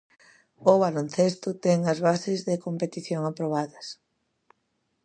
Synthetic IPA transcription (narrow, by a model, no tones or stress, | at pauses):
ʊβalonθest̪ʊt̪ɛŋɐzβasɪzðekompet̪iθjoŋapɾoβ̞aðɐs